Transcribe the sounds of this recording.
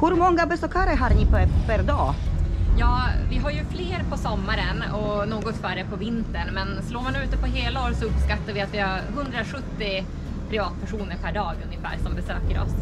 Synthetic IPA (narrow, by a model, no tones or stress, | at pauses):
hɵɾmɔŋɡabɛsɔkʰaɾɛɦaɾniːpʰɔɛfəɾd̪ɑːjɑːvɪɦaɾjɵfleːɾpʰɔsɔmːaɾənɔnoːɡɔt̪fœɖɛpʰɔvɪnt̪əɳmɛnsloːɾmanʉ̟ːt̪əpɔɦeːlaoːɾsɔɵpskat̪ːaɾvɪat̪vɪhaɾɦɵnd̪ɾaɧɵt̪ːɪ | pʰɾɪvɑːt̪̚pʰæʂuːnəɾpʰæɖɑːɡɵnjəfæ̰ːɾsɔmbɛsøːkəɾɔ̰s